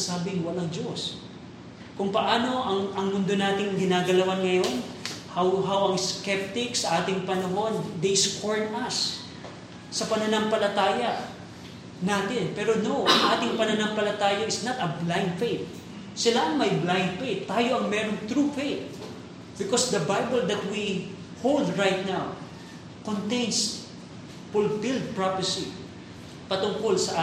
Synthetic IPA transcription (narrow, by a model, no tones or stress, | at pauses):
saːbɪŋwɐlɐŋd͡ʒo̞s | kʊŋpɐʔaːno̞ʔɐŋɐŋmʊnd̪o̞naːt̪ɪŋɡɪnaːɡɐlɐwanŋɐjo̞nhawɦawɐŋskɛp̚t̪ɪksɐʔaːt̪ɪŋpɐnɐɦo̞nd̪ejskoɹnɐs | sɐpɐnɐnɐmpɐlɐt̪aːjɐ | naːt̪ɪnpɛːɾo̞no̞ʔɐŋʔaːt̪ɪŋpɐnɐnɐmpɐlɐt̪aːjɐʔɪsnɐt̪ɐblãj̃nd̪fejt̪̚ | sɪlaʔɐŋmɐjblãj̃nd̪̚fejt̪ːaːjo̞ɐŋmɛːɾoŋt̪ɾufejt̪̚ | bɪkosd̪ɐbajbɛld̪ɐt̪̚wi | howld̪ɹajt̪̚naw | kõnt̪ejns | fʊlfɪld̪̚pɹapəsi | pɐt̪ʊŋko̞lsɐʔa